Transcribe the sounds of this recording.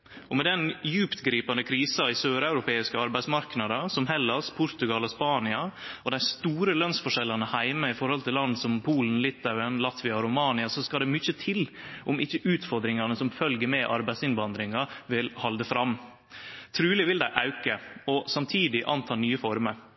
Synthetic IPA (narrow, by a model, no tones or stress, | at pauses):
ʔɔmɛd̪ɛnjʉːpt̪ɡɾiːpɑnd̪əkʰɾiːsɑɪsøːɾɑʉɾʊpʰeːɪskəɑɾbæɪsmɑɾknɑd̪ɑsɔmɦɛlːɑspʰʊɾt̪ʉɡɑlɔspɑːnɪɑɔd̪æɪst̪uːɾəlœnsfɔʂɛlːɑnəhæɪməɪfɔɾhɔlt̪ɪlɑnd̪sɔmpʰuːln̩lɪt̪ʰːɑʉənlɑt̪ʋɪɑɾʊmɑːnɪɑsɔskɑd̪ɛmʏçət̪ʰɪlʔɔmɪçːəʔʉːt̪fɔɾd̪ɾɪŋɑnəsɔmfœlɡəɾmɛʔɑɾbæɪsɪnʋɑnd̪ɾɪŋɑʋɪlhɑld̪əfɾɑmː | t̪ʰɾʉːlɪʋɪld̪æɪʔɑʉkəɔsɑmt̪ʰiːd̪ɪʔɑnt̪ʰɑːnyːəfɔɾməɾ